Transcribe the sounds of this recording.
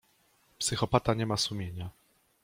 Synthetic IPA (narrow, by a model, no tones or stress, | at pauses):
psɘxɔpat̪aɲɛmasumʲjeɲa